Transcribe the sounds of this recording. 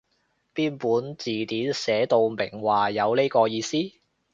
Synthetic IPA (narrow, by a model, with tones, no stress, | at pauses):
piː˥npuː˨˥nt͡siː˨˩t̪iː˨˥nsɛː˨˥t̪o˨˧wmɪ̰˨˩ŋwaː˨jɐ˨˧wle˥jkɔː˧jiː˧siː˥